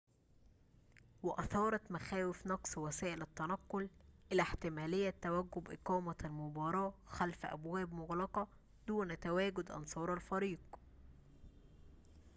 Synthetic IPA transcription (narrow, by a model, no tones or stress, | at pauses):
wɪʔɑθɑːɾˤɑt̪mæxæːwɪfnɑqsˤwæsæːʔɪlæt̪ːænɑqːʊlʔɪlæħt̪ɪmæːlɪjːæt̪ːæwæɡːʊbʔɪqɑːmælmʊbɑːɾˤɑːxælfʔæ̰bwæːbmʊɣlɑqɑ | d̪uːnt̪æwæːɡʊd̪ʔɑ̰nsˤɑːɾˤɑlfɑɾiːq